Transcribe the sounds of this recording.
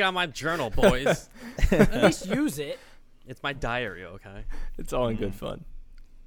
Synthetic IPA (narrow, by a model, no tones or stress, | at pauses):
nmaɪd͡ʒɜ˞nl̩ˠbɪz̥ | isjʉzɪt̚ | ɨtsmaɪdaɪə̰˞ḭo̰ʊkʰeɪɨtsɔlˠə̃nɡʊd̥fʌ̰̃n